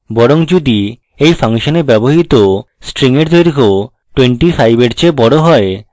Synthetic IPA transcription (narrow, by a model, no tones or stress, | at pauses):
bɔɾoŋd͡ʑud̪i | ejfʰaŋʃonebɛboɦit̪osʈɾiŋeɾd̪ojɾko | ʈweɳʈifʰajbeʈt͡ɕebɔɽoɦɔe